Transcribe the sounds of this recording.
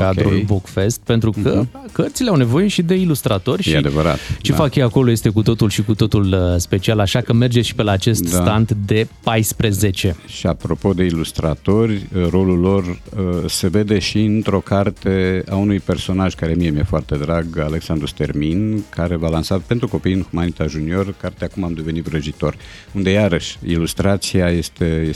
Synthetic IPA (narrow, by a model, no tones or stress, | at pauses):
kad̪ɾulbokfe̞st̪̚pe̞nt̪ɾukəkərt̪sileawne̞vo̞je̞ʃid̪e̞ilust̪ɾat̪o̞rʲʃjea̰d̪evəɾa̰t̪t͡ʃe̞fakjeako̞lo̞je̞st̪e̞kut̪o̞t̪ulʃikut̪o̞t̪ulspe̞t͡ʃialaʃakəme̞rd͡ʒeʃi̥pe̞laːt͡ʃe̞st̪d̪sat̪ant̪d̪e̞pajspɾeze̞t͡ʃe̞ʃʃiapɾo̞po̞d̪e̞ilust̪ɾa̰t̪o̞rʲro̞lulːo̞rəse̞ve̞d̪e̞ʃiɨnt̪ɾo̞kart̪e̞aunujpe̞rso̞naʒkaɾemijemiefoart̪e̞d̪ɾaɡale̞ksand̪ɾust̪e̞rminkʰaɾe̞valansape̞nt̪ɾuko̞pijɨnxumanit̪aʒunio̞rkart̪eakumamd̪e̞ve̞nit̪vɾəʒit̪o̞r | und̪e̞jaɾəʃʲḭlust̪ɾat̪siaje̞st̪eje